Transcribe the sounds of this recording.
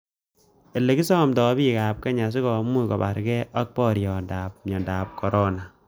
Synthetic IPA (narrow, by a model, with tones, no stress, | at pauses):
e˨lːe˨ki˦sɔ˦mtɔ˨bi˦kaː˨p̚kɛ˦ɲa˨s̬i˦kɔ˨mːu˦kɔ˨ba̰˨ɾkɛ˦ʔa˦k̚pɔ˦ɾjɔ˨da˨p̚ɲɔ˨ndaː˨p̚kɔ˨ɾɔ˦na˨